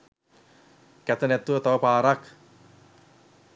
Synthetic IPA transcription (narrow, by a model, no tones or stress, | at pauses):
kɛt̪ənɛt̪ːuat̪awapaːɾak